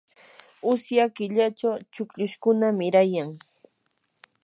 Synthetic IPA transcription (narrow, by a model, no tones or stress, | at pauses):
ʊsjakɪʎat͡ʃawt͡ʃʊkʎʊʃkʊnamɪɾajaŋ